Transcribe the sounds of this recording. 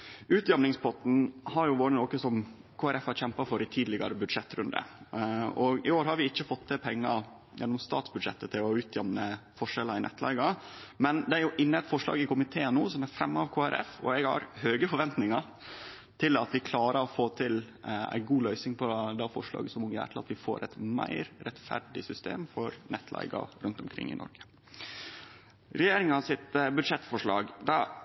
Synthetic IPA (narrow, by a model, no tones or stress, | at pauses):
ʉːt̪jɛmnɪŋspʰɔt̪n̩hɑɾjʊʋoːɾənoːkəsɔm | kʰoːæɾɛfhɑɾçɛmpɑfɔɾɪt̪ʰiːd̪lɪɡɑ̰ɾəbʉd̪ʂɛt̪ːɾʉnd̪ə̰ | ɔɡɪoːɾɦɑɾʋɪɪçːəfɔt̪ʰːɪpʰɛŋːɑ | jʔɛ̰nːɔmst̪ɑ̰ːt̪sbʉd̪ʂɛ̰t̪ːət̪ʰɪlɔʉːt̪ʰjɛmnəfɔʂɛlɑɪnʔɛ̰t̪ːlæ̰ɪɡɑmɛnd̪ɛæɾjʊʔɪnːəɛt̪fɔʂɭɑ̰ːɡɪkʊmɪt̪ʰeːənuːsɔmæɾfɾɛmːɑʋkʰoːæɾʔɛ̰fɔ̰ɛɡhɑ̰ɾhøːɡəfɔɾʋɛnt̪nɪŋɑ | t̪ʰɪlɑt̪ʋɪkʰlɑːɾəɾɔfoːt̪ʰɪl | æ̰ɪɡuːlœʏsnɪŋpʰɔd̪ɛɑfɔʂlɑ̰ːɡəsɔmʊŋjæ̰ːʈʰɪlɑt̪ʋɪfo̰ːɾʔɛt̪mæ̰ɪɾɾɛt̪fæ̰ɾɖɪsʏst̪ḛːmfɔɾnʔɛt̪ːlæ̰ɪɡɑ̰ɾʉnt̪ʊmkʰɾɪ̰ŋːɪ̰nɔ̰ɾɡə̥ | ɾɛjeːɾɪŋɑsɪt̪bʉd̪ʂɛt̪fɔʂɭɑ̰ːɡd̪ɑ